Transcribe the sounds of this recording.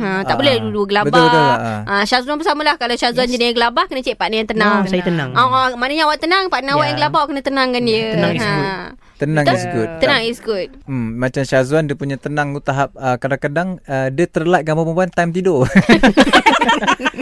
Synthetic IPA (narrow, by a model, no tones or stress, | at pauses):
hə̃t̪aʔbolɛduduɡəlabət̪b̪ʊlbət̪ʊlãʃazuanbərsaməlahkalaʃazuand͡ʒənəjaŋɡəlabahkənət͡ʃɛʔ̚paʔnəjãŋt̪ənãŋsajt̪ənãŋɔmanəɲaawaʔt̪ənaŋpaʔnawaʔjaŋɡəlabahwkənət̪ənãŋkandiəənãŋə̃ | t̪ənãŋisɡut̪̚t̪ənaŋisɡut̪̚mat͡ʃamʃazuandəpuɲat̪ənãŋut̪aɦap̚əkadaŋkadaŋədət̪ərlat̪̚ɡambapəpuant̪ajmt̪ido